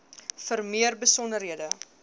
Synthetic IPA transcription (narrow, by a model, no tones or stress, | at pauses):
fərmiərbəsɔnəɾɦiədə